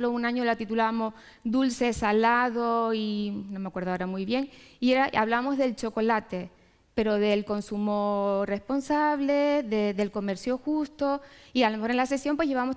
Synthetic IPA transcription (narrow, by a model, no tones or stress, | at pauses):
lounãɲo̞lat̪it̪ulaβamo̞s | d̪ulse̞salaðo̞inomeakwe̞ɾðaeɾamujβje̞ŋieɾaaβlaβamo̞zðe̞lt͡ʃo̞ko̞lat̪e̞ | pe̞ɾo̞ðe̞lko̞nsumore̞spo̞nsaβleðeðe̞lko̞me̞ɾsjo̞xust̪o̞ialome̞xoɾe̞nlase̞sjo̞mpwe̞ʝeaβamos